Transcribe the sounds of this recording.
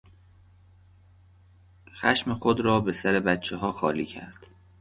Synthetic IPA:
xæ̰ʃmexod̪ɾɒːbe̞sæɾe̞bæt̪t͡ʃʰːeɦɒːxɒːliːcʰæ̰ɾd̪̥

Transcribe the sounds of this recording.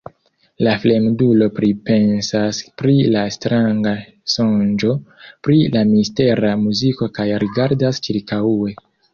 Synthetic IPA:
lafle̞mdulo̞pɾipe̞nsaspɾilastɾaŋɡa | sond͡ʒo̞pɾilamiste̞ɾamuziko̞kajɾiɡaɾdast͡ʃiɾkaue̞

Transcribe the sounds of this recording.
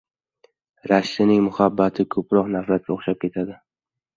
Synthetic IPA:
ɾaʃːɪnɪŋmʊhabːat̪ʰɪkʰɵpɾɒqnafɾat̪̚kʲoχʃap̚kʲe̞t̪ʰad̪ɪ

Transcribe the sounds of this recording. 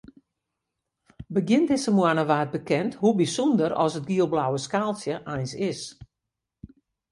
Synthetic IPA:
bəɡjɪntɪsəmwanəʋaːt̚bəkɛnthubisundəɾɔ̰sət̚ɡiəlˠblawəskaːlˠsjəʔajnsɪs

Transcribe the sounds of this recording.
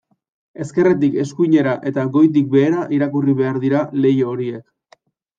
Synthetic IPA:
e̞ske̞ret̪̬ike̞skuɲe̞ɾaʔe̞t̪aɣo̞jt̪̬ik̚be̞ːɾaʔiɾakuriβe̞aɾðiɾale̞jooɾie̞k

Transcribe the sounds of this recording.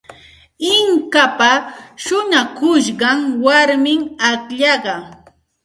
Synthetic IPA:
ɪŋkapaʃʊnakʊʃɢɑŋwaɾmɪŋakʎɑɢɑ

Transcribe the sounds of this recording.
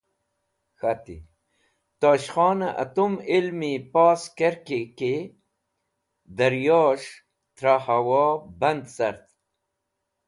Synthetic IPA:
xat̪ḭ | t̪aːɕxɑːnaʔɐ̰t̪umilmipaːskeɾkeke | d̪ɐɾjɑːʂ | t̪ɾahawɑːbɐnd̪sɐɾt̪

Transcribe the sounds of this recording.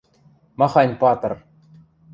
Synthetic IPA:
mɑχɑnʲpɑt̪ɤ̆r

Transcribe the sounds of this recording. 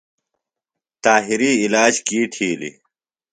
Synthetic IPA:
t̪aːɦiɾiːlaːd͡ʑkiʈʰiːlḭ

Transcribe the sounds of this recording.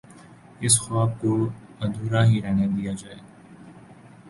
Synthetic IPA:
ɪsxaːb̚koːənd̪ʱuːɾaːɦiːɾɛːɳeːd̪ɪjaːd͡ʒaːeː

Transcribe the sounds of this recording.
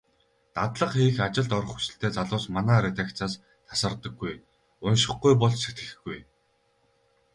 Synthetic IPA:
t̪at̪ɮə̆qxiːxat͡ɕɪ̆ɮt̪ɔɾɞ̆χxu̥sɘ̆ɬt̪eːt͡saɮʊːsmanæːɾet̪akt͡saːs | t̪ʰḁsə̆rt̪ə̆ɡːuj | ʊnʃɪ̆χɡujpɔɮt͡ɕset̪ɡɘ̥̆xɡuj

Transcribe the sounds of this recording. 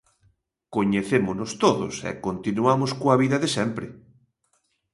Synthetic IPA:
koɲeθemʊnʊst̪oðʊsɛ̰kont̪inuamoskoɐβiðɐðesɛmpɾɪ

